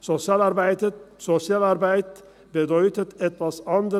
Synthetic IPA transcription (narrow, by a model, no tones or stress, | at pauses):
sɔsɪɑːlɑɾbæɪd̪əsɔsɪɑːlɑɾbæɪt̪ | bed̪œʏt̪ət̪ɛt̪ʋɑsɑnd̪